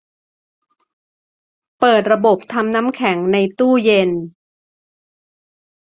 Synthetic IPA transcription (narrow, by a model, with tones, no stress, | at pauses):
pɤː˨˩t̪̚ɾa˧bo˨˩p̚t̪ʰa˧mna˦˥mkʰɛ˩˦ŋna˧jt̪uː˥˩je˧n